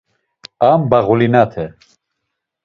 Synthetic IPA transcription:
ambaɣulinat̪ʰɛ

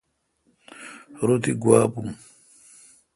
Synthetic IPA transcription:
ɾot̪iɡwaːpuŋ

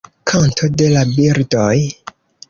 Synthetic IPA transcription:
kʰantʰode̞labiɾdoj

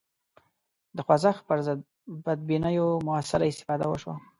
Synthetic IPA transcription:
d̪əxwazaxpəɾzd̪ | bad̪̚binəjomʊasalaɪst̪ɪ̥fɑd̪awəʃwa̰

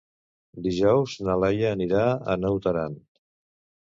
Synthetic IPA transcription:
d̪iʒɔwznəlɛjəːniɾaə̰nəwt̪əɾan

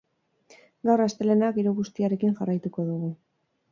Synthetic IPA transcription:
ɡawrast̪e̞le̞nakiɾuɣust̪iaɾe̞kiŋʝarajt̪uko̞ðuɣu

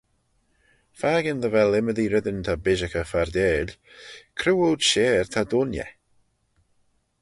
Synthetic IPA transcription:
faːɡənðəvɛlɪməðiɾɪd̪ənt̪ʰabɪʒəkəfaɹd̪eːlʲ | kʰɾuːoːdʃeːɹt̪ʰad̪ʊnjɛ̰

